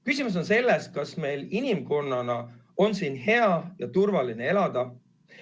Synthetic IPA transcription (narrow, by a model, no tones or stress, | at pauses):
kysʲimus̬o̞nse̞lːes̚kɑsme̞jlinimko̞nːɑnɑo̞nsiːnhe̞ɑjɑt̪urvɑline̞e̞lɑd̪̥ɑ